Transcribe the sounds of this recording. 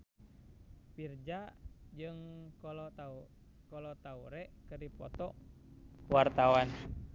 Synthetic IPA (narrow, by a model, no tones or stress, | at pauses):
pird͡ʒad͡ʒɨŋkɔlɔa | kɔlɔt̪auɾɛʔkɨrdipɔ̰t̪ɔ | wart̪awan